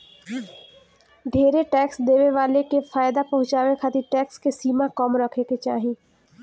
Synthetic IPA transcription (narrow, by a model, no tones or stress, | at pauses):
ɖʱeːɾeʈɛːksd̪eːʋeʋaːlekefaːjd̪apɐɦʊ̃t͡ʃaːʋekʰaːt̪iʈɛːkskesiːmakɔːmɾəkʰeket͡ʃa̰ːɦĩ